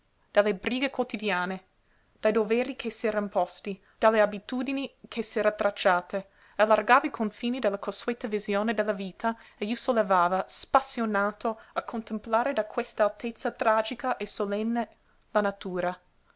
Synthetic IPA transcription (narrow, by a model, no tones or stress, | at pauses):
d̪̥alːebɾiːɡekwot̪id̪jaːne | d̪̥ajd̪ovɛːɾikʰesɛːɾanpɔst̪i | d̪̥alːeabit̪uːd̪inikʰesɛːɾat̪ːɾat͡ʃːaːt̪e | alːarɡaːvaikʰoɱfiːnid̪elːakʰoswet̪ːavizjoːned̪elːaviːt̪ʰaejosolːevaːvaspasːjonaːt̪oakʰːont̪emplaːɾed̪akʰwest̪aːlt̪et̪sːat̪ɾaːd͡ʒikaʔesolɛnːe | lanat̪uːɾa